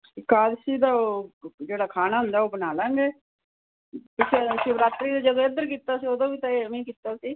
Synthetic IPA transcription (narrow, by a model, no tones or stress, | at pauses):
kaːd̪siːd̪aːoːd͡ʒeːɽaːkʰaːnaːɦʊ̃nd̪aːoːbənaːlãːŋɡeː | pɪsesiʋɾaːt̪ɾiːd̪aːd͡ʒəd̪õːed̪əɾkiːt̪aːsiːoːd̪õːʋiːt̪ãmĩːkiːt̪aːsiː